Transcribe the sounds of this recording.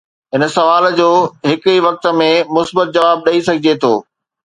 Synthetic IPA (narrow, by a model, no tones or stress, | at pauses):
ɦɪnə̆sɐʋaːld͡ʑoːɦɪkiʋɐk̚t̪ə̆mẽmʊsbət̪̚d͡ʑɐʋaːb̚ɗɐisɐɡʱɪd͡ʑet̪ʰoː